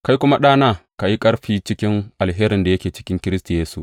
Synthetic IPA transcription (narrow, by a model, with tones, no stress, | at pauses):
ka˦jkʷʊ˦ma˦ɗaː˦naː˦ka˨ji˦kʼɐ˦ɽɸiː˦t͡ʃɪ˦kʲɪ˦ŋʔa˨lɦeː˦ɾɪ˨nda˨jɐ˦kʲeː˨t͡ʃɪ̥˦kʲɪ˦ŋkʲɪ˦ɾɪ˦stu˨jeː˦sṵ˨ʔ